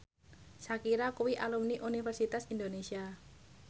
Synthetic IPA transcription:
sakiɾakuwiʔalumniʔunifɛrsit̪asind̪onesia

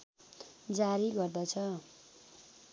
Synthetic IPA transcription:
d͡zaɾiɡʌrd̪ʌt͡sʰʌ

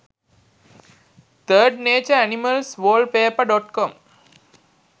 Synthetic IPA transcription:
t̪əːɖneːt͡ʃəɾæniməlsʋoːlɖpeːəpaɖɔʈkɔm

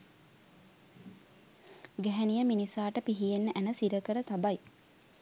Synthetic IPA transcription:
ɡɛɦɛnijəminisaːʈəpiɦijenːəʔænəsiɾəkəɾət̪abaj

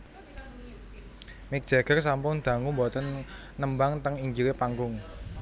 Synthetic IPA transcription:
mɪk̚d̥ʒ̥a̤ɡ̥ərs̬ampʊŋd̪̥ä̤ŋʊmbot̪ən | nəmbaŋt̪əŋiɲd͡ʒilepaŋɡʊŋ

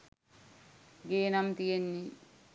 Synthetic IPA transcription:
ɡeːnɐmt̪ijenːi

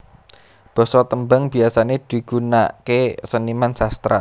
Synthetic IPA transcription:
b̥ɔ̤sɔt̪əmbaŋb̥i̤asaned̪̥i̤ɡ̥unaʔkesənimansast̪ɾa̰

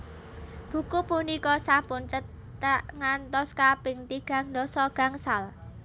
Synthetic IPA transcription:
b̥ṳkupunikɔsampʊnt͡ʃə | əŋant̪ɔskapɪŋt̪iɡ̥a̤ŋd̪ɔsɔɡ̥ä̤ŋsal

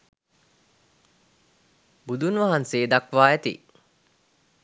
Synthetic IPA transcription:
bud̪unʋaɦanseːd̪akʋaːæt̪ḭ

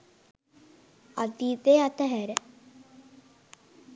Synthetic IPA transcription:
a̰t̪it̪eat̪əɦæɾə

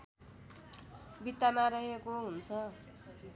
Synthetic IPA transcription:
bit̪ːamaɾʌɦekoɦunt͡sʰʌ

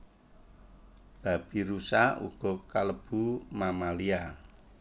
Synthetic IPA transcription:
b̥ä̤b̥i̤ɾusaṵɡ̥ɔ̤kaləb̥ṳmamalia

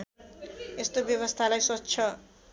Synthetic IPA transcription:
est̪objʌβʌst̪ʰalajsʌtːsʰʌ

